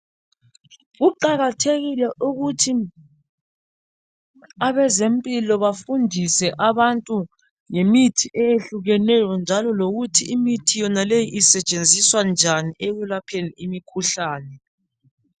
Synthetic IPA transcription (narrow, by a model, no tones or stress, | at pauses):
ɣuǃaɣatʰeɣilɛʔuɣutʰi | aβɛzempʼilɔβafundʱisɛʔaβantʼu | ŋemitʰiʔɛjeɬuɣɛnɛjɔnd͡ʒʱalɔloɣutʰiʔimitʰijɔnalejiʔisɛt͡ʃʼend͡zʱiswand͡ʒʱaniʔeɣulapʰeniimikʰuɬaːnɛ